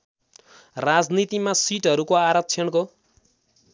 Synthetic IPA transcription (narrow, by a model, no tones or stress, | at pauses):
rad͡znit̪imasiʈɦʌɾukoaɾʌk̚t͡sʰjʌnko